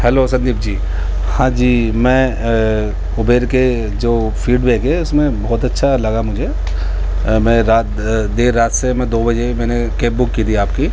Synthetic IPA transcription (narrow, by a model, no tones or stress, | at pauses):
ɦɛloːsɐ̃nd̪iːb̚d͡ʒiː | hãːd͡ʒiːmɛ̃ː | ʊbeːɾke | d͡ʒoː | fiːɖbeːkɦɛʊsmẽbɔːt̪ɐtːʃʰalɐɡamʊd͡ʒʱe | mɛ̃ːɾaːt̪ | d̪eːɾːaːt̪semɛ̃d̪oːbɐd͡ʒemɛ̃ːne | keːp̚bʊkːiːt̪ʰiaːpki